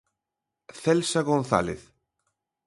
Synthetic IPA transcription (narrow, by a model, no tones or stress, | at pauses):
θɛlsaɣonθa̰leθ